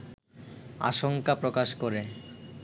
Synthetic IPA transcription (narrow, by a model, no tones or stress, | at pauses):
a̰ʃoŋkapɾokaʃkoɾe